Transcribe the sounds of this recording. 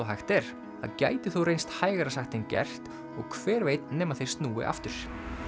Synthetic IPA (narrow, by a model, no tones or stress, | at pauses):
wɦajxt̪ɛɾ̥ | θa̰ðca̰ːjt̪ɪθuwrejnst̪haːjɣaɾasaxt̪ɪncɛ̰r̥t̪ | ɔ̰ɣkʰv̥ɛːɾveːjt̪nɛːmaθeɪj̥r̥st̪nuːwɪ̰ʔa̰ft̪ʏɾ̥